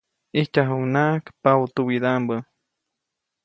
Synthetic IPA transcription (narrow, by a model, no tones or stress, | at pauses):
iht͡ʃaɦunaʔkpawt̪uwid̪ambə